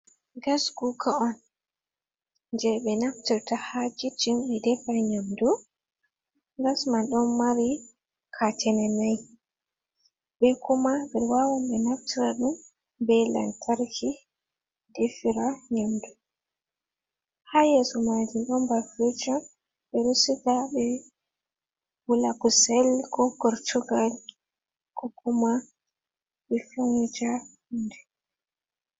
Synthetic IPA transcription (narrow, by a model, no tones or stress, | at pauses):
ɡasɡukʰaɔn | nd͡ʒɛɓɛnaftiɾtahad͡ʒitimɓɛdɛfaɲamdu | ɡasmanɗɔnmaɾi | kʰatʰɛnɛnaj | bɛkumabɛɾwawamɓɛnaftiɾaɗum | bɛla̰ntʰaɾkʰi | defiɾaɲamdu | hajɛsɔmad͡ʒiɗɔmbafid͡ʒam | ɓɛɾusitaɓɛ | wulakusɛlkɔkɔɾtuɡal | kɔkuma | ɓɛfuŋid͡ʒa | ndɛ